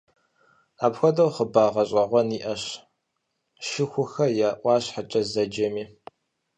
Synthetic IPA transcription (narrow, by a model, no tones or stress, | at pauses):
aːpxʷɔdɐwχəbaːʁɐɕʼɐʁʷɔniːʔɐɕ | ʃɪxʷʊxɐjaːʔʷɑːɕħat͡ʃʼɐzɐd͡ʒɐmiː